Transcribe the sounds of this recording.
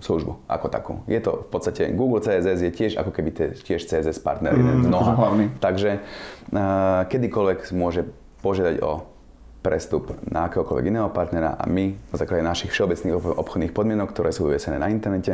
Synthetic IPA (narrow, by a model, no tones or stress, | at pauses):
sluʒbṵʔa̰kɔt̪a̰kṵːjɛt̪ɔ̰fpɔtt͡sst̪acɛ̰ɡuːɡl̩t͡sɛɛzɛzjɛcɪɛʒa̰kɔkɛbit̪ɛcɪɛʃt͡sɛːɛzɛspa̰ɾt̪nɛ̰ɾḭd̪ɛnnɔɦlait̪aɡʒɛ | kɛd̪ikɔlʋɛkmʊɔʒɛ | pɔʒɪad̪aɟɔ̰ | pɾɛst̪upnʔaːkɛːɦɔkɔlʋɛ̰ɡinɛːɦɔpaɾt̪nɛɾa̰ʔa̰minazaːklaɟɛnaʃixfʃɛɔbɛt͡sniːxʔɔpxɔd̪niːxpɔd̪mɪɛnɔkt̪ɔɾɛːsuːḭʋɛsɛnɛːnaint̪ɛɾnɛcɛ